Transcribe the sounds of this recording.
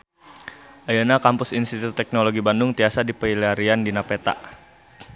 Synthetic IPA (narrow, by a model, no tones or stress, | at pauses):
ʔajanakampʊsinst̪it̪ʊt̪ːɛk̚noloɡibandʊŋt̪iasadipəiliaɾiandinapɛt̪a̰ʔ